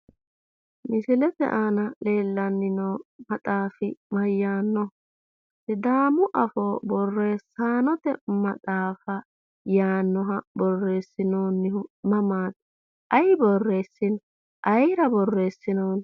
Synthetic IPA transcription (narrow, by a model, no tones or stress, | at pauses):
mɪsɪlɛt̪ɛ̰ʔanɐleːlːɐnːɪnomɐt̪ʼaːfɪmɐjːaːnːɔ | ɛd̪aːmʊʔɐfoːbɔrːe̞ːsːaːnɔt̪ɛ̰mɐtʼaːfɐ | jaːnːɔɦɐbɔrːe̞ːsːɪnoːnːɪhʊmɐmaːt̪ | ʔɐjbɔrːe̞ːsːɪnɔ | ʔɐjɾɐbɔrːe̞ːsːɪnoːn